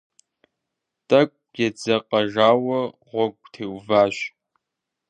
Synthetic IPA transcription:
tʼɐkʷʼɡɛd͡zɐqʼɐʒaːwɐʁʷɔkʷʼtʰeːwvaːɕ

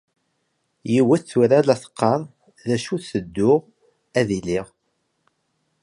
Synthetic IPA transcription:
jiwæθθuɾælæθə̥qːəɾˤ | ðæʃuθəd̪ːʊʁ | æðiliʁ

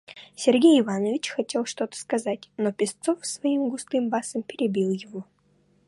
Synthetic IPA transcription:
sʲerɡʲejɪvanəvʲɪt͡ɕxɐtʲe̞lˠʂt̪o̞t̪ə̥skɐzatʲnopʲɪst̪sofsvɐimɡʊst̪ɨmbasəmpʲɪɾʲɪbʲilˠjɪvo

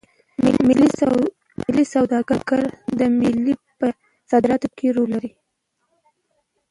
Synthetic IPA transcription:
mɪli | lisawd̪ɑɡaɡaɾd̪əmɪlipə | sɑd̪ɪɾɑt̪okʰeɾolːaɾi

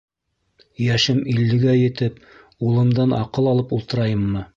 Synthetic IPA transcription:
jæʃɘmilːɘ̆ɡæjɘ̆t̪ɘp | ulˠɤ̆md̪ɑnʔɑ̰qɤlˠɑlˠɤpulˠt̪ɤ̆ɾɑjɤmːɤ

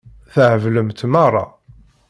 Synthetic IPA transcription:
θəʕvləmt̪mɑrˤɑ̰

